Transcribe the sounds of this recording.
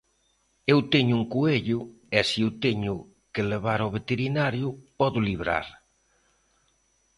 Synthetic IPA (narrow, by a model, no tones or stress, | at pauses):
ewt̪eɲʊuŋkueʎʊ | ɛsiuwt̪eɲʊ | keleβaɾoβet̪eɾinaɾjʊpɔðʊliβ̞ɾa̰ɾ